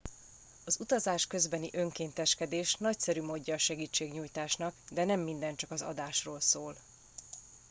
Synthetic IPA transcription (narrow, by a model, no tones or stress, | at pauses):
ɒzut̪ɒzaːʃkø̞zbɛniʔø̞ŋkeːnt̪ɛʃkɛd̪eːʃnɒcsɛɾyːmoːɟːɒːʃɛɡiːt͡ʃːeːɡɲuːjt̪aːʃnɒkd̪ɛnɛmːind̪ɛnt͡ʃɒkɒzɒ̰d̪aːʃroːlsoːl